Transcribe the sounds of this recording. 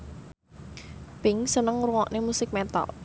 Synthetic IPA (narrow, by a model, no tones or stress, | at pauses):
pɪŋsənəŋɾuŋɔʔnemusɪk̚mɛt̪a̰l